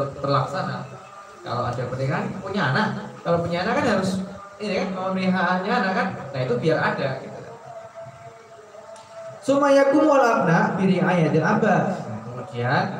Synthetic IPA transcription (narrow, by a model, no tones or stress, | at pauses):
b̪ərlaksana̰ | ka̰la̰wa̰dapəniɦanit̪upuɲanakalopuɲanakanɦaɾʊsidikankəniɦanɲanakannait̪ubiaɾadaɡit̪uka̰ | sumajakumolarnaʔbiɾiajadanabajat̪əmakian